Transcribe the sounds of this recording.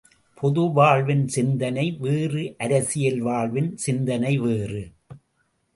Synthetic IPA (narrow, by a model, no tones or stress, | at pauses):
pʰɔðɯʋaːɭʋɪnsɪnd̪ɐnɐɪʋeːrɯʔɐɾɐsɪjɐlʋaːɭʋɪnsɪnd̪ɐnɐɪʋeːrɯ